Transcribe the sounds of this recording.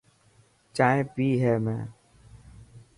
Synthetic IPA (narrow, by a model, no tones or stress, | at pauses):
t͡ʃaːẽpiːɦɛːmɛ̰̃ː